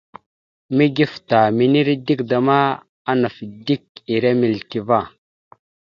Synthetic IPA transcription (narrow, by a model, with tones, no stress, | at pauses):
mi˦ɡi˦fta˨mi˨ni˦ɾdi˦kda˨ma˦ | a˦na˨fdi˦ki˨ɾe˦mi˨lki˨va˦˨